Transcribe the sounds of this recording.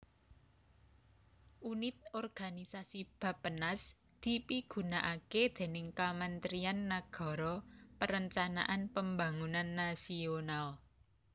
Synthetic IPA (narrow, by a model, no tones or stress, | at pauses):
ʔunɪt̪̚ɔrɡ̥anisasib̥ä̤pːənasd̪̥i̤piɡ̥ṳnaʔaked̪̥e̤nɪŋkamant̪ɾianːaɡ̥ɔ̤ɾɔpəɾəɲt͡ʃana̰ʔanpəmbaŋunanːasional